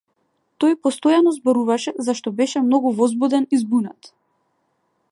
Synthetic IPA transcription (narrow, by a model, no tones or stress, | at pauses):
t̪ɔjpɔst̪ɔjanɔzbɔɾuvaʃɛzaʃt̪ɔbɛʃɛmnɔɡuvɔzbud̪ɛnizbunat̪